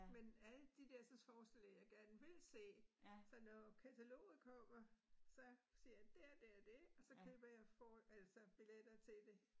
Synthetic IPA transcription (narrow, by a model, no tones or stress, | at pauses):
menæləd̥id̥eɐsɒfɒːsd̥el̰eŋɐjɑ̈ɪɡ̥æɐnəʋe̝lse̝̰ːsɒ̽nɒkʰæt͡sʰælo̝̰ːð̩ˠkʰɒm̰ɐsɒ̽siɐjɑd̥æd̥æɐd̥e̝ɒ̽sɒ̽kʰøːb̥ɐjɑ̈ɪfɒæl̰sɒb̥iled̥ɐt͡sʰe̝ld̥e̝